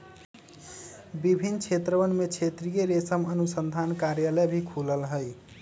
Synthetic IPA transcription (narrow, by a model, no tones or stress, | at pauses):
bibʱinːt͡ʃʰet̪ɾəʋənmet͡ʃʰet̪ɾijeɾesəmənusənd̪ʱankaɾjaləbʱikʰuləlɦəj